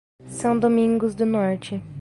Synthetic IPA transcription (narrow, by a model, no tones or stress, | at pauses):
sɐ̃w̃d̪omĩŋɡʊzd̪ʊnɔɾt͡ʃɪ